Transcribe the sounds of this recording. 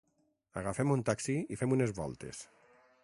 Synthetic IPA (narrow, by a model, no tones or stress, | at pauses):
aɣafɛmunt̪aksiifɛmunezβɔ̰lˠt̪ḛs